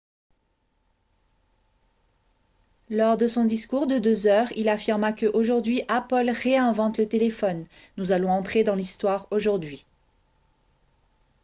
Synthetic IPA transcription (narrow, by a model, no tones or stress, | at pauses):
lɔʁd̪əsɔ̃d̪iskuʁd̪əd̪øzœʁilafiʁmakəʔoʒuʁd̪ɥiʔapɔlʁeɛ̃vɑ̃t̪lət̪elefɔnː | uzalɔ̃ɑ̃t̪χed̪ɑ̃list̪waʁoʒuʁd̪ɥi